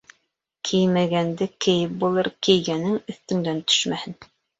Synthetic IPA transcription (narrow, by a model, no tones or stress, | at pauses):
kʰijmæɡænd̪ɘkɘ̆jɘp̚bulˠɤɾkɘ̆jɡænɘŋɵ̆θt̪ɵ̆ŋd̪ænt̪ʰɵ̥ʃmæhɘn